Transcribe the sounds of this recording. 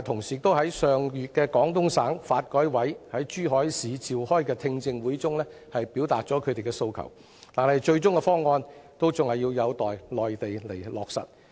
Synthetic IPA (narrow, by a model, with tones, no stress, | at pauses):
t̪ʰʊ˨˩ŋsiː˨˩t̪o˥wɦɐ˨˥jsœː˨ŋjyː˨t̚kɛː˧kɔː˨˥ŋt̪ʊ˥ŋsaː˨˥ŋfaː˧t̚kɔː˨˥jwɐ˨˥jhɐ˨˥jt͡ʃyː˥ɦɔː˨˥jsiː˨˧t͡siː˨whɔː˥jkɛː˧t̪ʰɪ˧ŋt͡sɪ˧ŋwuː˨˥jt͡sʊ˥ŋlɛː˥ | hɐ˨jpiː˨˥wt̪a̰ː˨t̚t͡ʃɔː˨˥kʰɵ˨˧t̪e˨jkɛː˧so˧wkʰɐ̰˨˩w | t̪aː˨nhɐ˨jt͡ʃɵ˧ɥt͡ʃʊ˥ŋkɛ˧fɔː˥ŋːɔː˧nt̪o˥wt͡sʊ˨ŋhɐ˨jːiː˧wjɐ˨˧wt̪ɔː˨jlɔː˨jt̪e˨jle˨˩jlɔː˨k̚sɐ̰˨t̚